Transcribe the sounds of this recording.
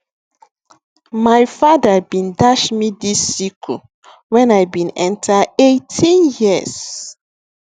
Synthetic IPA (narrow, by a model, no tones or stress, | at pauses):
majfadabĩndaʃmidisikʰu | wɛ̃najbĩnɛ̃ntʰaetʰĩnjiəz̥